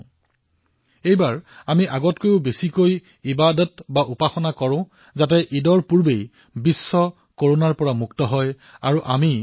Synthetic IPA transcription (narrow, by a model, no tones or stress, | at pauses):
ejbaɹamiʔaɡɔtkojʊbesikoj | ibadɔtbaʔupaxɔnakɔɹʊ̃ | zatɛʔidɔɹpuɹbej | bisːɔ | koɹonaɹpɔɹamuktɔɦɔj | aɹuʔami